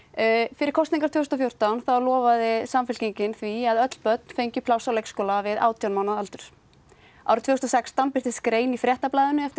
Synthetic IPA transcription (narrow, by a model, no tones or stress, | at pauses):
fɪɾɪɾ̥kʰɔst̪niŋkḁɾt̪ʰɛːhʏst̪ɔfjowɾ̥t̪awnθawlɔːvaðɪsamfɪl̥ciɲcɪnθviaðœt̪l̥pœt̪̚nfejɲcʏpʰlawsawlejkskɔːlavɪða̰ːwt̪ʰjawnmawnaðalt̪ʏɾ̥ | a̰wɾʏt̪ʰvɛɣst̪ɔsɛkst̪awnpɪɾ̥t̪ɪskɾeːjnifɾjɛht̪aplaːjðʏnʏɛft̪ɪ